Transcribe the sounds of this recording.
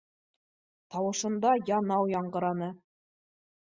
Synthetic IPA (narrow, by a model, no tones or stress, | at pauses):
t̪ɑwɤ̆ʃɤ̆nd̪ɑjɑnɑwjɑɴɢɤ̆ɾɑnɤ